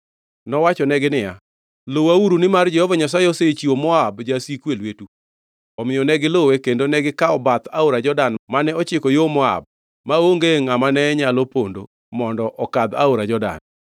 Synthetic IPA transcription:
nɔwat͡ʃɔnɛɡɪnɪja̰ | lowauɾunɪmard͡ʒɛhɔvaɲasaeɔset͡ʃiomɔabd͡ʒasikwelwetu | ɔmɪjɔnɛɡɪlowekendonɛɡɪkaɔbat̪aoɾad͡ʒɔdanmanɛɔt͡ʃɪkɔjomɔa̰b̚ | maoŋɡeŋamanɛɲalopondo | mɔndɔʔɔkad̪a̰oɾad͡ʒɔda̰n

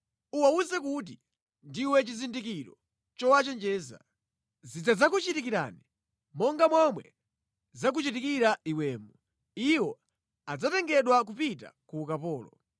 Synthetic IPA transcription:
uwauzɛkut̬i | ndiwɛt͡ʃizindikiɾɔ | t͡ʃɔwat͡ʃɛnd͡ʒɛːza̰ | zid͡zad͡zakut͡ʃitik̬iɾa̰ni | mɔŋɡamwamwɛ̰ | zak̬ut͡ʃitikiɾaiwɛːmu | iwɔ | ad͡zatɛŋɡɛɗwak̬upita̰kuːkapɔːlɔ

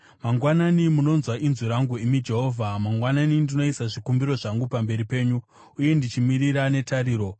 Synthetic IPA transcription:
maŋɡwananimuno̞nzwaʔinziɾaŋɡuimid͡ʒe̞ɦo̞ːvʱamaŋɡwananindino̞isaʐikumbiɾo̞ʐaŋɡupambe̞ɾipe̞ːɲu | uje̞ndit͡ʃimiɾiɾane̞taɾiːɾo̞

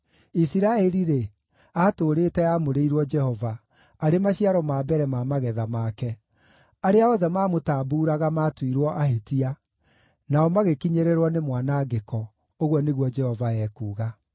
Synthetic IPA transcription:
isiɾaɛɾiɾe | aːtoːɾeːtɛamoɾeiɾwɔd͡ʒɛhɔva | aɾemaɕiaɾɔmaːbɛɾɛmaːmaɣɛðamaːkɛ | aɾeaɔðɛmaːmotaːbuːɾaɣamaːtwiɾwɔʔaɦetia | naɔmaɣekiɲeɾeɾwɔnemwanaːɡekɔ | oɣwɔneɣwɔd͡ʒɛhɔvaɛːkuːɣa

